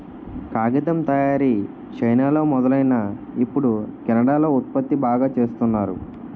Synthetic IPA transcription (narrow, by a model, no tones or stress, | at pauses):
kaːɡɐt̪ɐmt̪ɐjaːɾi | t͡ʃɐjnaːlo̞ːmɔd̪ɐlɐjnaː | ipːuɽukɛnɐɽaːlo̞ːut̪̚pɐt̪ːibaːɡaːt͡ʃe̞ːst̪unːaːɾṵ